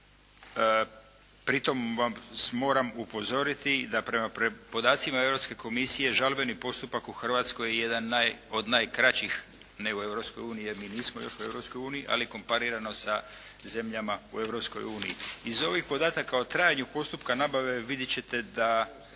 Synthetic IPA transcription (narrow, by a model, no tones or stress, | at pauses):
pɾit̪o̞mʋamsmo̞ːɾamupo̞zo̞ɾit̪id̪apɾe̞mapɾpo̞d̪aːt̪simae̞vɾopske̞ko̞misije̞ʒalbe̞nipo̞st̪upakuxr̩ʋat̪sko̞jeje̞d̪anːajo̞d̪najkɾat͡ɕix | ne̞ue̞vɾo̞psko̞juːnijijeɾmiːniːsmo̞jo̞ʃue̞vɾopsko̞juːnijiʔa̰liko̞mpaɾiɾano̞saze̞mʎamaṵe̞vɾo̞psko̞juːnijḭizo̞ʋixpo̞d̪aːt̪akaot̪ɾaːjaɲupo̞st̪upkanabaʋe̞ʋid̪jet͡ɕe̞t̪e̞d̪a